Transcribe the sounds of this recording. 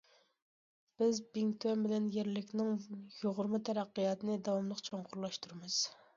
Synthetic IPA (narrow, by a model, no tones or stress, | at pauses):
b̥ɪzbɪŋt̪ʰɛmbɪlɛnjeɾlɪkʲnɪŋjoʁʊɾmɨt̪ʰɛɾɑqːijɑt̪nɪd̪ɑwɑmlˠəqt͡ʃʰoŋqʰʊɾlˠɑʃt̪uɾɨmɨz̥